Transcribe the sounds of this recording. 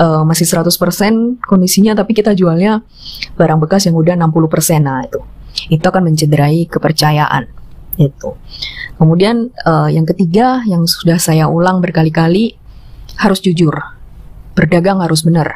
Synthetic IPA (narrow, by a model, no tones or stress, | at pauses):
əːmasɪhsəɾat̪ʊspərsɛnkɔndisiɲat̪apikit̪ad͡ʒualɲa | b̥aɾaŋbəkasjaŋudahənampuluhpərsɛnait̪uit̪uakanməɲt͡ʃədəɾaikəpərt͡ʃajaʔa̰nɡit̪ukəmudianəjaŋkət̪iɡajaŋsudahsajaulaŋbərkalikali | haɾʊsd͡ʒud͡ʒʊr | b̥ərdaɡaŋhaɾʊsbənər